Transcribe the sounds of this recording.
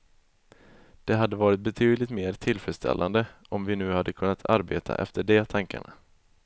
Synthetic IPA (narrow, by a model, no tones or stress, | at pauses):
d̪̥ɛɦad̪ːəvɑːɾɪt̪̚bɛt̪ʰyːd̪lɪt̪meːɾt̪ʰɪlfɛst̪ʰɛ̰lːʔand̪ə | ɔmvɪnʉ̟ːhad̪ːəkʰɵnːat̪ʰa̰ɾbeːt̪ʰa̰ʔɛ̰ft̪əɖɛt̪ʰaŋka̰ɳa̰